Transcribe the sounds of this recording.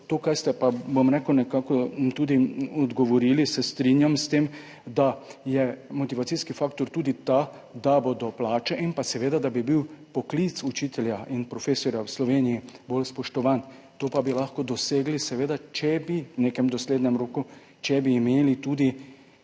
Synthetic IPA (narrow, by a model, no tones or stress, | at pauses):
t̪okaɾst̪ɛpabomɾɛkəwnɛkaːkɔt̪ud̪iɔd̪ɡɔʋɔɾiːlisɛst̪ɾinjamst̪em | d̪ajɛmɔt̪iʋat̪siskifakt̪ɔɾt̪uːd̪it̪a | d̪abod̪ɔplaːt͡ʃɛʔinpasɛʋeːd̪ad̪abibiwpɔklit̪sut͡ʃit̪ɛljaʔinpɾɔfeːsɔɾjawslɔʋeːnijibolspɔʃt̪ɔʋan | t̪oːpabilaxkɔd̪ɔseːɡlisɛʋeːd̪at͡ʃɛbiwneːkɛmd̪ɔsled̪ɲɛmɾoːku | t͡ʃɛbiːmeːlit̪uːd̪i